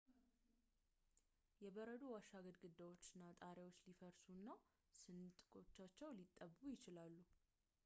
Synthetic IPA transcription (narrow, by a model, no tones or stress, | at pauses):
jɛbəɾəd̪owaʃaɡəd̪ɡɨd̪ːawot͡ʃːɪnːat̪ʼaɾewot͡ʃːlifəɾsunːa | sɨnt̪ʼɨkʼo̞t͡ʃːat͡ʃːɛwlit̪ʼːəbujɪt͡ʃɪlalːu